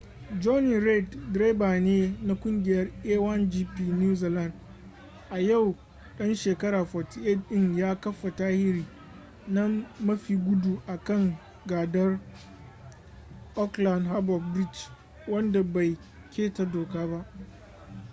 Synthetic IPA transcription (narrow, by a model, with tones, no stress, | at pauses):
d͡ʒɔ˦ni˨ɾɛ˦˨ddɾe˦baː˨neː˦na˦kʷʼʊ˦ŋɡʲɪ˨jɐ˦rʔeː˦wɐ˦nd͡ʒiː˦piː˦˨nu˦ziː˨lɐ˦˨nd | ʔa˨ja˦˨w | ɗɐ˦nʃeː˨kɐ˦ɾaː˨ɸɔ˨ti˨ʔɛ˦˨dɗɪ˦ŋjaː˦kɐ˦ɸːa˨taː˦hɪ˦ɾiː˨ | naː˦ɐ˦ɸiː˨ɡʷʊ˦du˨ʔa˨kɐ˦ŋ | ɡaː˨dɐ˦r | ʔɔ˦kla˨ndɦa˦bɔ˨b̚bɾi˦˨t͡ʃ | wɐ˦nda˨ba˨j | kʲʰeː˦ta˨doː˨kaː˦ba˦ʔ